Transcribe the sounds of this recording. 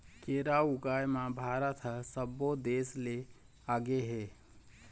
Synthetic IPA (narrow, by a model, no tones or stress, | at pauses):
keɾaukajmãbʱaɾət̪ʰsəbod̪esle | aɡeɦe